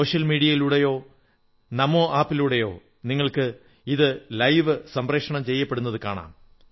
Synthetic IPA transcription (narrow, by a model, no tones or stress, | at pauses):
oːʂɐlmiːɽijɐjiluɽejo̞ː | nɐmo̞ːʔaːpːiluɽejo̞ː | niŋːɐɭkɨ | iðɨlɐjʋɨsɐmpreːkʂɐɳɐmt͡ɕe̞jːɐpːeɽunːɐðɨkaːɳa̰ːm